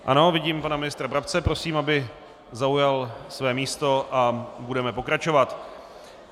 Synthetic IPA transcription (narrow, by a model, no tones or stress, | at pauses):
ʔa̰no̞vɪɟiːmpanamɪnɪst̪ɾabɾap̚t͡sɛpɾo̞siːmabɪ | zaujalsvɛːmiːst̪o̞ʔabudɛmɛpo̞kɾat͡ʃo̞vat̪